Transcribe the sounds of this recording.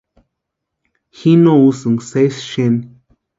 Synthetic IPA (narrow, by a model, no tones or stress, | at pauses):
hinowsɨŋsesʃen